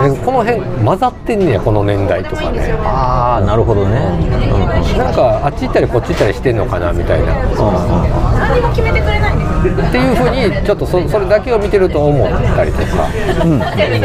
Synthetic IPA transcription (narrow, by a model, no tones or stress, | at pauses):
neko̞no̞ɦẽ̞ŋmazat̪ːe̞nːejako̞no̞nẽ̞nd̪ait̪o̞ka̰nḛaːnaɾɯ̟ɦo̞d̪oneɯ̃ːɯ̃nãŋkaat͡ɕiit̪ːaɾʲiko̞t͡ɕːit̪ːaɾʲiɕi̥t̪e̞nːo̞kana̰mʲit̪a̰ḭna̰noã̰ | mokʲimeekɯ̟ɾeat̪ːe̞jɯ̟ːɸɯ̟ːɲ̟it͡ɕo̞t̪ːososo̞ɾe̞d̪ake̞o̞mʲit̪e̞ɾɯ̟t̪o̞ːmo̞t̪ːaɾʲḭt̪o̞̰ka̰ | ɯ̃